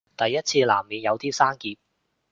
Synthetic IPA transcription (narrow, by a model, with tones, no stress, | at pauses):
t̪ɐ˨jːɐ˥t̚t͡sʰiː˧laː˨˩mːiː˨˧njɐ˨˧wt̪iː˥saː˥nkiː˧p̚